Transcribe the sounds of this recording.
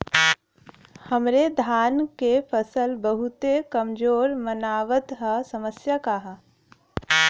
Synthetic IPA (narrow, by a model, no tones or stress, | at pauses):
həmɾed̪ʱaːnkepʰəsəlbəɦut̪ekəmd͡ʒoːɾmənaːʋət̪ɦəsəməsjakaɦa